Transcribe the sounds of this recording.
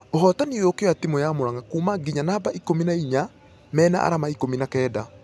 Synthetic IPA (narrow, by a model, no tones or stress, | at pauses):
oɦɔtaniokeɔatimojamoɾaŋakuːmaɡiɲanaːbaʔikominaiɲa | mɛːna̰ʔa̰ɾamaikominakɛːda